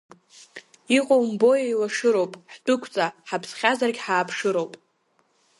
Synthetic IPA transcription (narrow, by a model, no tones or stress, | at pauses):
iqʼowmbo̞jajwaʂɨɾowpʼħt͡pʼʊkʷʰt͡sʼaħapʰsχʲazarɡʲħaːpʰʂɨɾo̞wpʼ